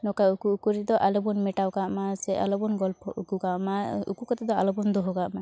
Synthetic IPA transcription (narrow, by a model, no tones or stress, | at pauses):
nɔkaukuːkuɾid̪ɔʔalɔbɔnmɛʈawkaʔmasɛa̰lɔbɔnɡɔlpʰɔ̰ʔukukaʔmaṵkukɔt̪ɛd̪ɔalɔbɔnd̪ɔɦɔɡaʔma